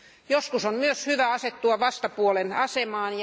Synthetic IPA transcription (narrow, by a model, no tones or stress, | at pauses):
joskusommyøshyʋæɑset̪ːuɑʋɑst̪ɑpuolenɑsemɑːnj